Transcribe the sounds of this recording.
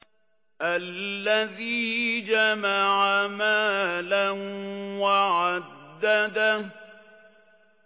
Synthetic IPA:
ʔallːaðiːd͡ʒamaʕamaːlanwaʕad̪ːad̪a

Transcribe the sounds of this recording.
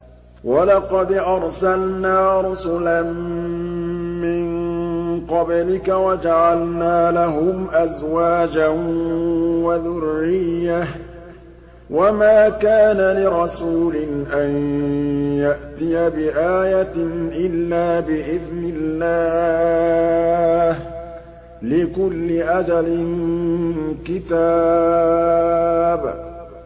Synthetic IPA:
walɑqɑd̪ʔɑɾˤsalnaːɾˤʊsʊlan | mɪnqɑblɪkawad͡ʒaʕalnaːlaɦʊmʔazwaːd͡ʒan | waðʊrːɪjːa | wamaːkaːnalɪɾˤɑsuːlɪnʔan | jaʔt̪ɪjabɪʔaːjaʔɪlːaːbɪʔɪðnɪlːaː | h | lɪkʊlːɪʔad̪alɪn | kɪt̪aː | b

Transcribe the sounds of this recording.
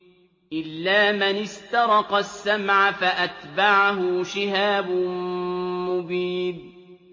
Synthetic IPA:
ʔɪlːaːmɪnɪst̪ɑɾˤɑqɑsːamʕafaʔat̪baʕaɦʊʃɪɦaːbʊ | mʊbiːd

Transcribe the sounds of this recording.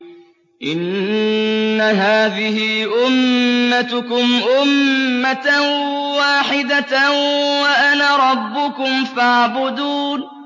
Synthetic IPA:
ʔɪnː | aɦaːðɪhɪʔʊmːat̪ʊkʊmʔʊmːa | waːħɪd̪a | waʔanaɾˤɑbːʊkʊmfaʕbʊd̪uːn

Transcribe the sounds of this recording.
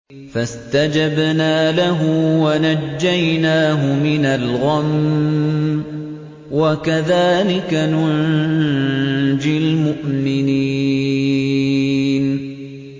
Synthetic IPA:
fast̪ad͡ʒabnaːlaɦʊwanad͡ʒːajnaːɦʊmɪnalɣam | wakaðaːlɪkanʊn | d͡ʒɪlmʊʔmɪni | n

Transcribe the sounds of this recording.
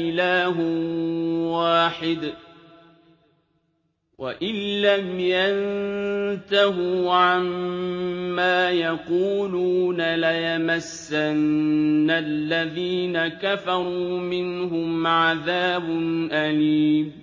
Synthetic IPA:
ɪlaːɦ | waːħɪd̪ | wa̰ʔɪnːamjan | t̪aɦuːʕamː | aːjaquːluːnalajamasːanːalːaðiːnakafɑɾˤuːmɪnɦʊmʕaðaːbʊnʔaliːm

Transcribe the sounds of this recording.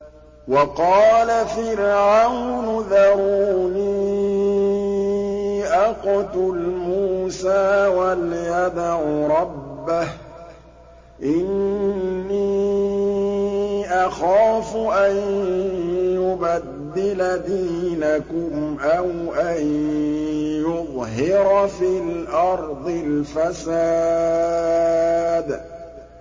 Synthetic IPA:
wɑqɑːlafɪɾʕawnʊðaɾˤuːniː | ʔaqʊt̪ʊlmuːsaːwaljad̪aɾˤɑbːah | ʔɪnː | iː | ʔaxaːfʊʔan | jʊbad̪ːɪlad̪iːnakʊmʔawʔan | jʊðˤɦɪɾfilʔɑɾˤd̪ˤɪlfasaː | d̪

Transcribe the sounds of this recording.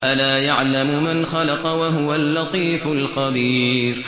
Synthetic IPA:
ʔalaːjaʕlamʊmanxɑlɑqɑwaɦʊwalːɑt̪ˤiːfʊlxabiːɾ

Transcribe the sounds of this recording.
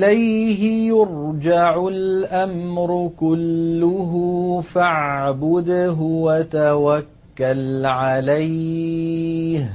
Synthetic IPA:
lajɦɪjʊɾd͡ʒaʕʊlʔamɾʊkʊlːʊɦufaʕʕbʊd̪ɦwat̪awakːalʕalaj | h

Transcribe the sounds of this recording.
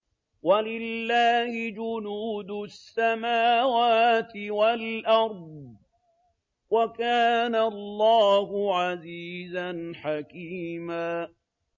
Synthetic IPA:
walɪlːaːhɪd͡ʒʊnuːd̪ʊsːamaːwaːt̪ɪwalʔɑɾˤd̪̚ˤ | wakaːnalˤːɑːhʊʕaziːzanħakiːmaː

